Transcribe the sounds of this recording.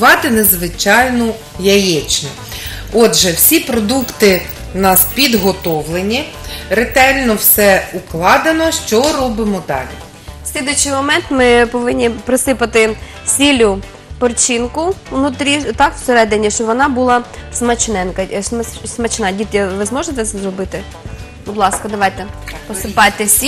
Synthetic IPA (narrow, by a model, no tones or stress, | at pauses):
ʋɑt̪ɪnezʋɪt͡ʃɑjnɔ | jɐjɛt͡ʃnɔ | ɔd̪ʒɛwsʲipɾɔd̪ukt̪ɪ | nɑspʲid̪ɦɔt̪ɔʋlˠenʲːi | ɾet̪ɛlʲnɔwsɛuklˠɑd̪enɔʃt͡ʃɔɾɔbɪmɔd̪ɑ̰lʲḭ | sʲlʲid̪ʊt͡ʃɪjmɔmɛnt̪mɪpɔʋɪnʲːipɾɐsɪpɐt̪ɪ | sʲilʲʊ | pɔrt͡ʃinkʊnʊt̪ɾʲit̪ɑkw̥seɾɛd̪enʲiʃt͡ʃɔʋɔnɑbulˠɑsmɐt͡ʃnɛnkɐsmsmɐt͡ʃnɑdʲit̪ʲjʲɐʋɪzmɔʒet̪ɛsɛzɾɔbɪt̪ɪ | bʊd̪lˠɑskɐd̪ɐʋɑjt̪ɛpɔsɪpɑjt̪ɛsʲi